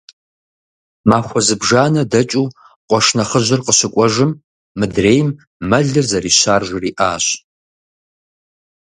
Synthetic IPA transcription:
maːxʷɔzɨbʐaːnɐdɐt͡ʃʼuː | qʷɔʂnɐχəʑɪrqəɕɪkʷʼɔʒɨmː | ɨdreːjmː | ɐɮɨrzɐɾiːɕaːrʒʷriːʔaːɕ

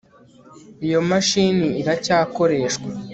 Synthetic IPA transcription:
ijo̞maʃiniiɾacaːko̞ɾe̞ːʃkwa

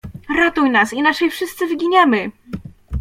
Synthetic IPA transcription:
ɾɔt̪ujnasinaʂɛjfʂɘst̪sɘvɘɡʲiɲamɘ

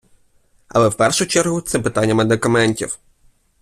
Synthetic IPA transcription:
ɐ̰lˠɛwpɛrʃʊt͡ʃɛrɦʊt̪sɛpɪt̪anʲːɐmed̪ɪkɐmɛnʲtʲḭw

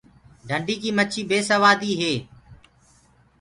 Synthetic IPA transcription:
ɖʱəɳɖiːkiːmət͡ʃʰiːbeːsəʋaːd̪iːɦeː

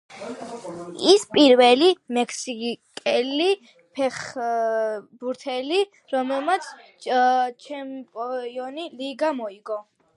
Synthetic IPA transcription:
ispʼiɾvɛlimɛkʰsikʼɛli | pʰɛχ | buɾt̪ʰɛli | ɾɔmɛlˠmat̪sʰ | t͡ʃʰɛmpʼɔjɔniliɡamɔiɡɔ

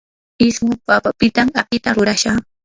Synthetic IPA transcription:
ɪsmʊpapapɪt̪amapɪt̪aɾʊɾaʃaχ

